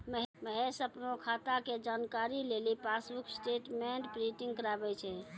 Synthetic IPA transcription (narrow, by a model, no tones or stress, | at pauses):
məɦməɦesəpnokʰat̪aked͡ʒankaɾilelipasbuksʈeʈmeɳʈbɾiʈiŋɡkəɾabɛt͡ʃʰɛ